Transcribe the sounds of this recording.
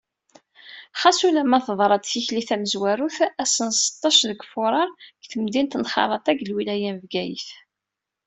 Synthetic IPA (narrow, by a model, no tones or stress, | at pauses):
χɑsulæmæθəðˤɾˤɑd̪θiçliθæməzwæɾuθæsənsə̥t̪ˤːɑʃðəɡfʊɾˤɑɾˤɡθəmd̪int̪nχɑ̰ɾˤɑt̪ˤæɡlwilæjænvɡæjə̰θ